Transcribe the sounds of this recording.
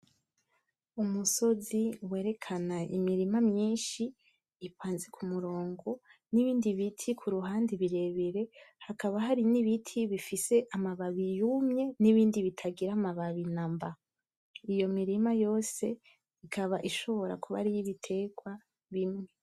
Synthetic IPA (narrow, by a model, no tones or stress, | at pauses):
umuso̞ziweːɾe̞kʰanaḭmiɾimamɲiːnʃiː | pwaːnzikʰumuɾo̞ːŋɡo̞niβiːndiβitʰikʰuɾuɦaːndiβiɾe̞βiɾe̞hakaβaɦaɾiniβitʰiβifise̞ʔamaβaβijumɲe̞niβiːndiβitʰaɡiɾamaβaβinamba | ijo̞miɾimajo̞ːse̞ | ikʰaβaʔiʃo̞βo̞ɾa̰kʰuβa̰ɾijiβitʰe̞ɡwa | βimŋe̞